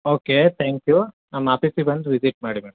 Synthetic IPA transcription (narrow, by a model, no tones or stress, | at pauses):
oːket̪ʰɛːŋkju | nɐmaːpiːsibɐnd̪uʋid͡ʒiʈ̚maːɽimeːɽɐm